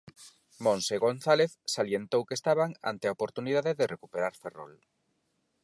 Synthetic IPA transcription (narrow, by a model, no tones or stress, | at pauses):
mõnseɣonθaleθsaljent̪owkest̪aβaŋa̰nt̪eaopoɾt̪uniðaðeðerekupeɾaɾfero̰l